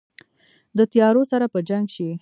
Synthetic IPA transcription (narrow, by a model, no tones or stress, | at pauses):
d̪ət̪jɑɾosaɾapəd͡ʒaŋɡʃi